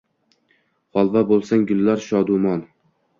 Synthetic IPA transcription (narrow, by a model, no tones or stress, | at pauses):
χɒlˠvabolˠsaŋɡʊlːaɾʃɒd̪umɒn